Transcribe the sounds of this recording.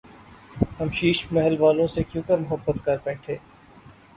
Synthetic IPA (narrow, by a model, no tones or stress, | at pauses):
hɐmʃiːʃmɛɦəlʋaːlõsekjũːkəɾmʊɦəbːət̪kɐɾpɛ̃ːʈʰeː